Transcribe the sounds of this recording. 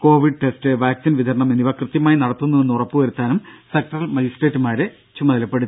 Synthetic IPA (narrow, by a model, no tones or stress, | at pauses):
ko̞ːʋiɖ̚ʈesteʋaːksinʋid̪ʱɐɾɐɳɐmeniʋɐkrɨt̪jɐmaːjinɐɽɐt̪ːunːuenːurɐpːuʋɐɾut̪ːaːnumsek̚ʈɐrɐlmɐjisʈe̞ːtːumaːɾɨ | t͡ɕumɐðɐlɐpːeɽut̪ː